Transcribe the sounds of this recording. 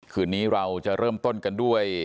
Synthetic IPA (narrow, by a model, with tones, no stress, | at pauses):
kʰɯː˧˩nːiː˦˥ɾa˧wt͡ɕa˨˩ʔɾɤː˥˩mt̪o˥˩nka˧ndu˥˩əj